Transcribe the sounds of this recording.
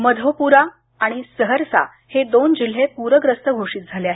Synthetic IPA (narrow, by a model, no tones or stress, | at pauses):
məd̪ʱopuɾa | aɽ̃isəɦəɾsa̰ | hed̪ond͡ʑil̤ːepuɾəɡɾəst̪ʰəɡʱoʂiːt̪̚d͡zʱaleaɦe